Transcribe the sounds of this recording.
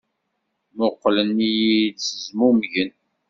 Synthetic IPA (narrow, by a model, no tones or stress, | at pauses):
mʊqːlənːijidsəzmumʝən